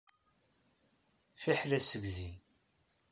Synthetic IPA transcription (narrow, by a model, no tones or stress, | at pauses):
fiħlæsəɡzi